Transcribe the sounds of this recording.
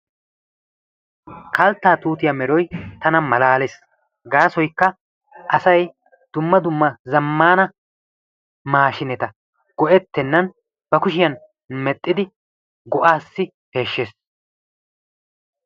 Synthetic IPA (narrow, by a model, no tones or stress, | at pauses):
kɐlt̪ːaːt̪uːt̪ɪjɐmɛɾɔjt̪ɐnɐmɐlaːles | ɡaːsɔjkːɐ | ʔɐsɐj | d̪̥ʊmːɐd̪ʊmːɐzɐmːaːnɐ | maːʃɪnɛt̪ɐ | ɡ̥ɔʔɛt̪ːɛnːɐn | b̥ɐkʊʃɪjɐn | mɛt̪ʼːɪd̪ɪ | ɡɔʔaːsːɪ | he̞ːʃːeːs